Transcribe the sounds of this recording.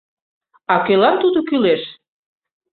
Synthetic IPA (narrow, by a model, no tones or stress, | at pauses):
ɑkelɑnt̪ud̪okyleʃ